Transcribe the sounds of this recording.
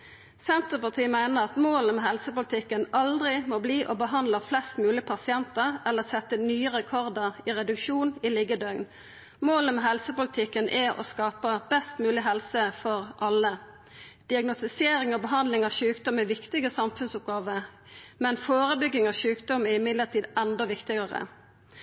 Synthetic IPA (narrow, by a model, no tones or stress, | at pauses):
sɛnt̪əʁpɑt̪ʰiːmæɪnəʁɑt̪moːləmɛɦɛlsəpʊlɪt̪ʰɪkːənɑld̪ʁɪmobliːʔɔbəɦɑnd̪ləflɛst̪mʉːlɪpʰɑsɪɛnt̪əʁɛlːəʁsɛt̪ːənyːəʁɛkʰɔʁd̪əʁɪʁɛd̪ʉkʃuːnɪlɪɡəd̪œʏɡn | moːləmɛɦɛlsəpʊlɪt̪ʰɪkːənʔɛʔɔ̰skɑːpəb̥ɛst̪mʉːlɪɦɛlsəfɔʁʔɑlːə | d̪̥ɪɑɡnʊst̪ɪseːɾɪŋɔbəɦɑnd̪lɪŋɑʋʃʉːkd̪ɔmɛʋɪkt̪ɪɡəsɑmfʉnsʊp̚ɡɑːʋə | mɛnfoːɾəbʏɡːɪŋɑʃʉːkd̪ɔmɛɪmɪd̪ləʁt̪ʰiːd̪ɛnd̪ɔʋɪkt̪ɪɡəʁə̰